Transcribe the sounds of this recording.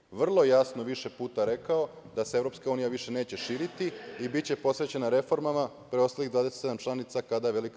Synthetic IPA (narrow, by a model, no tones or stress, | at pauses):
ʋr̩lˠo̞jasnoʋiʃe̞puːt̪aɾe̞kao̞ | d̪aseeʋɾo̞pskauːnijaʋiʃe̞ne̞ːt͡ɕe̞ʃiːɾit̪iibit͡ɕe̞po̞sʋe̞t͡ɕe̞naɾe̞fo̞ɾmama | pɾeost̪alid̪ʋaːd̪eset̪samt͡ʃlanit̪sakad̪aeʋe̞lik